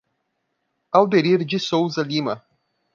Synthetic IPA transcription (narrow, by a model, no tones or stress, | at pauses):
awd̪eɾiɾd͡ʒisowzɐlimɐ